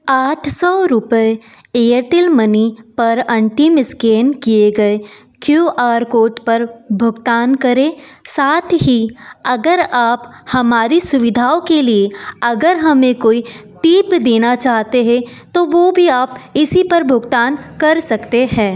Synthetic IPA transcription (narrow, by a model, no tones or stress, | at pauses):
aːʈʰsɔːɾʊpəe | eːəɾt̪ɪlmɐnipɐɾɐ̃ɳʈɪmɪskeːnkieɡɐe | kjuːʔaːɾkoːʈpɐɾbʱʊɡt̪aːnkɐɾẽːsaːt̪ʰɦiɐɡəɾaːphɐmaːɾisʊʋɪd̪ʱaːokelieɐɡəɾɦɐmẽkoːit̪iːpd̪eːnat͡ʃaːɦt̪eɦɛ̃t̪oʋoːbʱiaːpɪsipɐɾbʱʊɡt̪aːnkɐɾsɐkt̪eɦɛ̃ː